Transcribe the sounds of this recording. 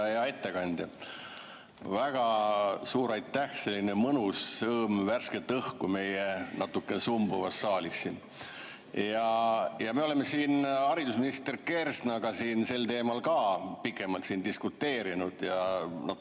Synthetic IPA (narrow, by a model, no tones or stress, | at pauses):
jɑe̞t̪ːe̞kɑnʲd̪̥jɑ | væɡ̥ɑsuːɾɑjt̪ːæhse̞lʲːinemɤnusːɤːmværsket̪ːˑɤhkume̞jenɑt̪ːˑukːenesumbuvɑsːɑːlʲisːin | jɑjɑme̞o̞le̞mːe̞siːnɑɾid̪̥usminist̪e̞rke̞rsnɑɡ̥ɑsiːnse̞lt̪e̞ːmɑlkɑːpikːˑe̞mɑlt̪siːnd̪iskut̪ːe̞ːɾinud̪̥jɑnɑ